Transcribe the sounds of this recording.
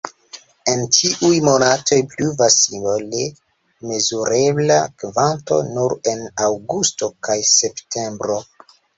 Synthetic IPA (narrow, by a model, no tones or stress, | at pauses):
e̞ntʰiʔujmo̞nato̞jpluvasimole | me̞zuɾe̞blakvanto̞̰nuɾe̞nawɡusto̞kajse̞ptʰe̞mbɾo̞